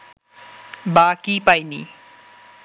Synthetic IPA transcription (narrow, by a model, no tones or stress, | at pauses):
bakipajnḭ